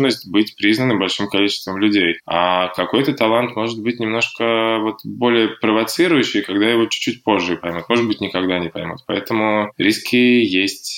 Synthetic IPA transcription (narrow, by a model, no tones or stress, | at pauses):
nəsʲtʲbɨtʲpɾʲiznənɨbɐlʲʂɨmkɐlʲit͡ɕɪ̥st̪vəmlʲʉdʲejakɐko̞jt̪ət̪ɐlˠant̪mo̞ʐɨt̪̚bɨt̚ʲnʲɪmno̞ʂkəvo̞t̪bo̞lʲɪjəpɾəvɐt̪sɨɾʊjʊɕːɪjkɐɡd̪ajɪvo̞t͡ɕʊ̥t͡ɕːutʲpo̞ʐːɨpɐjmʲut̪mo̞ʐɨt̪bɨtʲnʲɪkɐɡd̪anʲɪpɐjmʲṵt̪̚pɐɛt̪əmʊɾʲiskʲɪjesʲtʲ